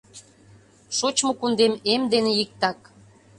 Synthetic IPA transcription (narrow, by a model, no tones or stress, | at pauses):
ʃot͡ɕmokund̪ememd̪enejik̚t̪ɑk